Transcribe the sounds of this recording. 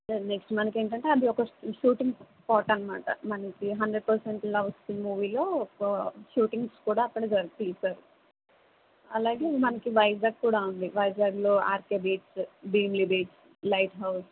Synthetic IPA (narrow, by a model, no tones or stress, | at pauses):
ne̞ksʈmɐnɐke̞ːɳʈɐɳʈeɐd̪iɔkɐʃuːʈiŋɡ | pɔːʈɐnɐmaːʈɐ̰mɐnɐkiɦɐɳɖɾeɖ̚pɐɾseɳʈlɐʋɐst̪imuːʋiːlo̞ː | ʃuːʈiŋɡskuːɽaːɐkːɐɽɐd͡ʒɐɾt̪isaːɾu | ɐlaːɡemɐnɐkiʋɐjd͡ʒaːɡ̚kuːɽaːund̪iʋɐjd͡ʒaːɡlo̞ːaːɾkebeːʈsbiːmlibeːʈs | lɐjʈɦɐws